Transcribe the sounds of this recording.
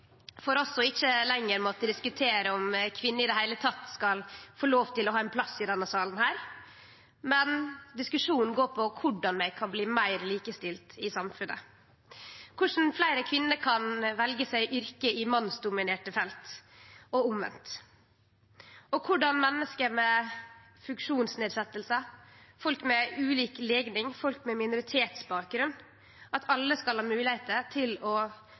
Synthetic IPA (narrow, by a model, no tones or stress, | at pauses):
fɔɾɑsɔɪçəlɛŋːəɾmoːt̪əd̪ɪskʉt̪ʰeːɾəɔmkʰʋɪnːəɪd̪ɛhæɪlət̪ʰɑt̪skɑlfoːloːʋt̪ʰɪlɔhɑːɛnpʰlɑsɪd̪ɛnːəsɑːlən̩hæːɾ | mɛnd̪ɪskʉʂuːnn̩ɡoːpʰɔkʰʊɖɑnmæɪkʰɑnbliːmæɪɾliːkəst̪ɪlt̪ɪsɑmfʉnʔə̰ | kʰʊʂn̩flæɪɾəkʰʋɪnːəɾkʰɑnʋɛlɡəsæɪʔʏɾkəɪmɑnːsd̪ʊmɪneːʈəfɛlt̪ɔʊmʋɛ̰nt̪ | ɔkʰʊɖɑnmɛnːəskəɾmɛ | fʉŋkʂuːnsneːd̪sɛt̪ːəlsəfɔlkmɛʉːliːkleːɡnɪŋfɔlkmɛmɪnʊɾɪt̪ʰeːt̪sbɑːk̚ɡɾʉn | ʔɑt̪ʰɑlːəskɑlhɑːmʉːlɪheɪt̪ət̪ʰɪlɔ